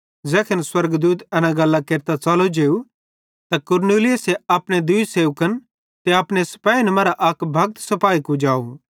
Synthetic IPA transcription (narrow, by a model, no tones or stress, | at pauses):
d͡zɛːkʰɐnswɐɾɡd̪uːt̪ɛːnãɡɐlːakeːɾt̪at͡salod͡ʒeːu | t̪akʊɾneːlɪjəseaːpɽ̃ed̪ʊiseːʋkən | t̪eɐpɽ̃esɐ̥paːinɐmɐɾaʔɐkbʱɐk̚t̪sɐpaːikud͡ʒaːṵ